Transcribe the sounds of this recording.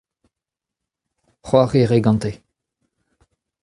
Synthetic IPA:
χwaʁeʁeɡɑ̃nt̪e

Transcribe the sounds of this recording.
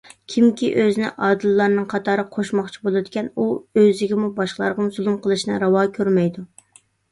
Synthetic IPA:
kʲʰimkʲiʔøzɪnɪ̰ʔɑːd̪ɨlːɑɾnɨŋqʰɑt̪ʰɑːɾɨqʰoʃmɑχt͡ʃʰi̥bolˠɨd̪ɪkʲʰɛnuøzɪɡʲɪmubɑʃqəlˠɑ̰ɾʁɑmzulˠumqʰəlˠɨʃnɨɾɑwɑːkʲʰøɾmɛjd̪u

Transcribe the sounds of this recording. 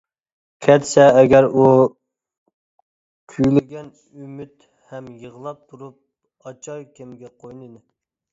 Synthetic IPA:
kʲʰɛt̪sɛːɡʲɛɾu | kʲʰyjlɪɡʲɛn | ymyt̪ | hɛmjəʁlˠɑp̚t̪ʰuɾup̚ | ɑt͡ʃʰɑjkʲʰemɡʲɛqʰojnɨd̪ɪ

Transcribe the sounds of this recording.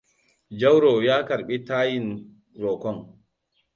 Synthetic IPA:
d͡ʒawɾɔjaːkaɾɓitaːjin | ɾɔkɔn

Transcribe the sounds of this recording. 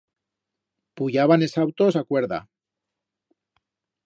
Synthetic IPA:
puʝaβ̞ane̞sawt̪osakwe̞ɾða̰

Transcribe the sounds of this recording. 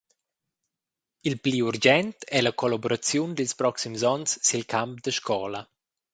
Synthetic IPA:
ilpliuɾd͡ʒɛnt̪ɛlakolaboɾat͡sjund̪ilspɾɔksimzɔnsːilkʰamp̚d̪əʃkʰɔːlə

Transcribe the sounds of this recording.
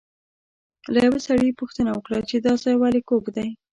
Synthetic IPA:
lajawesaɽipuxt̪ənawəkɽat͡ʃed̪ɑzɑjwɑlikobd̪aj

